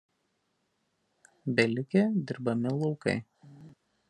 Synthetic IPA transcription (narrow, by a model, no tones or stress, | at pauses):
bʲɛlʲɪkʲed̪ʲɪɾbɐmʲɪlˠɔʊkɐ̰ɪ